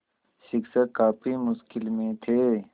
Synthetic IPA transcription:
ʃɪksəkaːpimʊʃkɪlmẽt̪ʰeː

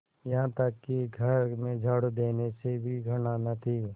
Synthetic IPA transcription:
jɐɦãt̪ɐkːiɡʱɐɾmẽd͡ʒʱəɽd̪eːnesebʱiɡʱɐɽaːnat̪ʰi

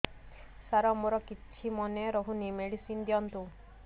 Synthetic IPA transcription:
saɾɔmɔɾɔkitʰːimɔneɾɔɦunimeɽisind̪jɔnt̪u

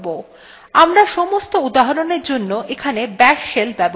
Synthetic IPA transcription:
bo | amɾaʃɔmost̪oud̪aɦaɾoneɾd͡ʑonːoʔekʰanebɛʃːelbɛbo

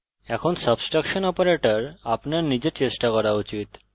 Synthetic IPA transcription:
ɛkʰonsəbsʈɾakʃonɔpaɾeʈaɾapnaɾnid͡ʑeɾt͡ɕesʈakɔɾaut͡ɕit̪

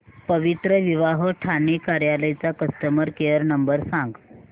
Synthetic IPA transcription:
pəʋit̪ɾəʋiʋaɦoʈʰanikaɾjaləjt͡sakəst̪əməɾkejəɾnəmbəɾsãŋɡ

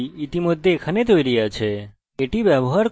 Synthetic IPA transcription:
it̪imud̪ʱːekʰənet̪oiɾəjat͡ʃʰeː | ʈiʋjəboɦaɾ

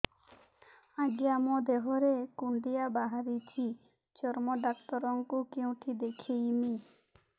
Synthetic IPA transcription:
aɡiamod̪eɦoɾekuɳɖ̪ijabaɦaɾit͡ʃʰi | d͡ʒɔɾmoɖak̚t̪ɔɾɔŋkukeũʈʰid̪ekʰijmi

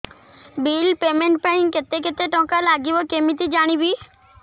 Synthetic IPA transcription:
biːlpeːmẽɳʈpɛnĩŋket̪eket̪eʈɔ̃ːkalaɡibokemit̪id͡ʒaːɽ̃ibi

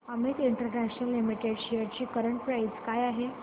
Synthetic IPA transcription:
əmet̪iɳʈəɾnæɕnəlːimiʈeɖɕejəɾt͡ɕiːkəɾəɳʈ̚pɾait͡skajaɦe

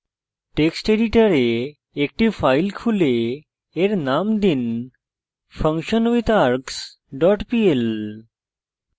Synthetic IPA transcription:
ʈeksʈeɖiʈəɾe | ek̚ʈifajlkʰule | eɾnamd̪in | fəŋkɕənʋit̪aɾks | ɖɔʈpiel

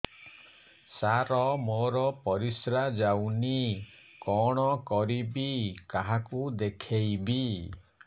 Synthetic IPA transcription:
saɾɔmoɾɔpɔɾisɾad͡ʒawni | kɔɽ̃ɔkɔɾibikaɦakud̪ekʰejbi

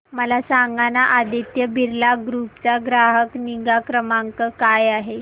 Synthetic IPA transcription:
məlasaŋɡanaʔad̪it̪jəbʱiɾlaɡɾupt͡saɡɾaɦəkniɡakɾəmaŋkəkajaɦe

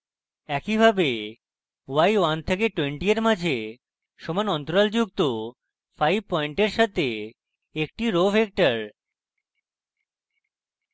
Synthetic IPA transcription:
ɛkibʱabe | wajwant̪ʰekeʈweɳʈieɾmad͡ʑʱe | ʃɔmanɔnt̪oɾald͡ʑuk̚t̪o | fʰajb̚pɔiɳʈeɾʃat̪e | ek̚ʈiɾofek̚ʈaɾ

